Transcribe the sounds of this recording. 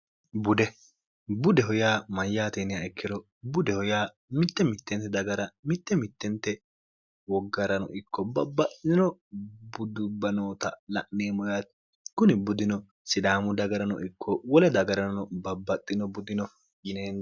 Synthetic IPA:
bʊd̪ɛ | bʊd̪ɛɦɔjaːmɐjːaːt̪eːnɪjaɛkʰːɪd̪ɔ | bʊd̪ɛhɔjaː | mɪt̪ːɛmɪt̪ːɛnt̪ːɛd̪ɐɡɐɾɐmɪt̪ːɛmɪt̪ːɛnt̪ːɛ | wɔɡːɐɾɐnɔ̰ʔɪkʰːɔbɐ̰bːɐt̪ʼːɪɪnɔbʊd̪ʊbːɐnoːt̪ɐlɐ̰ʔnːeːmɔjaːt̪ | kʊnɪbʊd̪ɪnɔ | sɪd̪aːmʊd̪ɐɡɐɾɐnɔ̰ʔɪkʰːɔwɔlɛd̪ɐɡɐɾɐnɔbɐbːɐt̪ʼːɪnɔbʊd̪ɪnɔ | jɪneːn

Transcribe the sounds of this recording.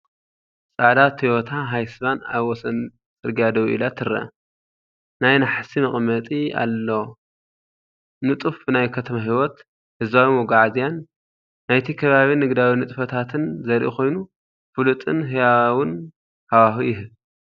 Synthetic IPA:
sʼaʕd̪at̪hiwɔt̪ʰaɦajsɨβanaβwɔsɐn | t͡sʼɨɾɡijad̪ɐβʔḭlat̪ʰɨɾɐ̰ | najnaħasimɨχʼmɐt̪ʼia̰lːo̞ | nɨt̪ʼufbɨnajkʰɐt̪ʰɐmaɦiwɔt̪ | hɨzbawimɔɡaʕazijanː | ajt̪ʰikʰɐβaβinɨɡd̪awinɨt̪ʼfɐt̪ʰat̪ʰɨnzɐɾʔḭkʰo̞jnu | fɨlut̪ʼɨnɦɨjawɨn | hawaxijɪɦɨl

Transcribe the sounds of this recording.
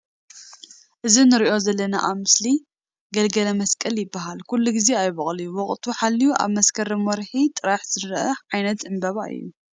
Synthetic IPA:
ʔɨzinɨɾiʔo̞zɐlːɐna̰ʔaβmɨsli | ɡɐlɡɐlɐmɐskʼɐljɪbːaɦalkulːuɡizeajβɐχʼlijuwɔχʼt̪ʰuħalːijuʔa̰βmɐskʰɐɾɨmɔɾħit̪ʼɨɾaħz̥ɨɾʔɐʕajnɐt̪zɨmbɐβa̰ʔɨ̰jːu

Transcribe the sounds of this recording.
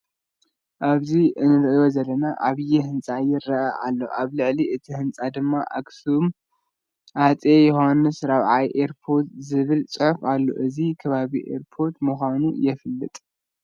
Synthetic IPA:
ʔaβziɨnɨɾɨʔijo̞zɐlːɐnaʔaβɨjɛhɨnt͡sʼajɪɾːɐʔaʔa̰lːo̞̰ʔaβlɨʕliɨt̪ʰihɨnt͡sʼad̪ɨmːaʔa̰ɡsum | ʔat͡sʼejohanːɨsɾaβʕajʔeɾpʰo̞ɾt̪zɨβɨlt͡sʼɨħfalːo̞̰ʔɨzikʰɐβaβiʔḛɾpʰo̞ɾt̪mɨxʷanujɛfɨlːɨt̪ʼ

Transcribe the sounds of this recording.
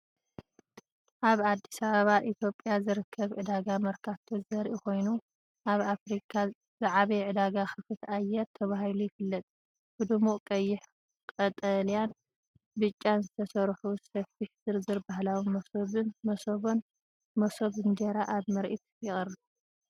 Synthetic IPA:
ʔaβad̪ːisaβaβaʔit̪ʰjo̞pʼjazɨɾɨkʰːɐβʕɨd̪aɡamɐɾkʰaft̪ʰozɐɾʔiko̞jnu | ʔaβafɾikʰa | z̥aʕaβɐjʕɨd̪aɡaxɨfɨt̪ajːɛɾt̪ʰɐβahilujɪfɨlːɐt̪ʼ | b̥ɨd̪ɨmuʔkʼɐjːɪħ | kʼɐt̪ʼɐlijan | bɨt͡ʃʼːanzɨt̪ʰɐsɐɾħusɐfiħzɨɾzɨɾbahlawimɐsoβɨnmɐsoβon | mɐsoβɨnd̪eɾaʔaβmɐɾʔit̪jɪxʼɐrɨbu

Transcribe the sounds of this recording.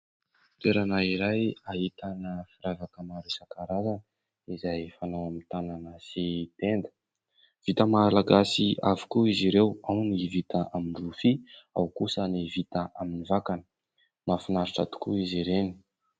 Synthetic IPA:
t̪eɾanaiɾajaɦit̪anəfiɾavakəmaɾesakaɾazanə | izajfanaamit̪ananasit̪end̪ə̥ | v̥it̪əmalaɡasiavi̥kuiziɾewawnivit̪aʔaminrufia̰wkusənivit̪əʔaminivakanə̥ | mafinaɾiʈ͡ʂa̰t̪u̥kuiziɾeni̥

